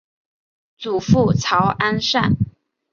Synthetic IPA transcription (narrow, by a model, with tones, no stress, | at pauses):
t͡su˨˩fu˥˩t͡sʰɑ˧˥ʊʔa˥nʂa̰˥˩n